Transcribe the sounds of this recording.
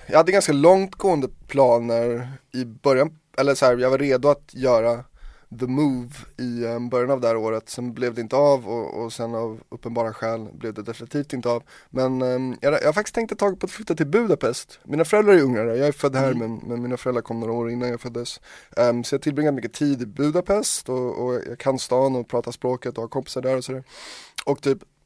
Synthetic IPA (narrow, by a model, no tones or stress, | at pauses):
jɑhad̪ːəɡanskalɔŋt̪ɡoːənd̪əpʰlɑːnəɾɪbœɾjan | ɛlːəsɔhæːɾjɑɡvaɾeːd̪ʊat̪jœːɾa | ðəmuːvɪbœɾjanavd̪ɛhæːɾoːɾət̪sɔnblɛvd̪ɛɪnt̪əɑvɔ̰ɔ̰sɛnavɵpːənbɑːɾaɧɛːlblɛvd̪ɛd̪ɛfɪnɪt̪ʰiːft̪ɪnt̪əɑv | mɛnjɑjɑːhaɾfakt̪ɪst̪ʰɛŋk̚t̪ət̪ʰɑːɡɪt̪pʰɔat̪flʏt̪ːat̪ɪlbʉ̟d̪apʰɛst̪miːnafœɾɛlɾaɾæɾɵŋːaɾəjɑːɡæfœd̪ːhæːɾmɛnmɛnmiːnafœɾɛld̪ɾaɾkʰɔmːnoːɾaoːɾɪnːanjɑːfœd̪ːəssɔjat̪ʰɪlbɾɪŋːad̪mʏkːət̪ʰiːd̪ɪbʉ̟ːd̪apʰɛst̪ɔɔ̰jɑ̰kʰanst̪ɑːnɔpʰɾɑːt̪aspɾoːkət̪ɔhaɾkʰɔmpɪ̥saɖæːɾɔsɔd̪æːɾɔk̚t̪ʰyːp